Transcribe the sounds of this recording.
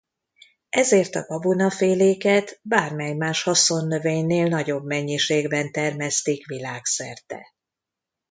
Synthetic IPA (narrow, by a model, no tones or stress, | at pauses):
ʔɛzeːrt̪ɒ̰ɡɒbunɒfeːleːkɛt̪baːrmɛjmaːʃhɒso̞nːø̞veːɲneːlnɒɟo̞bmɛɲːiʃeːɡbɛnt̪ɛrmɛst̪ikʋilaːksɛrt̪ɛ̰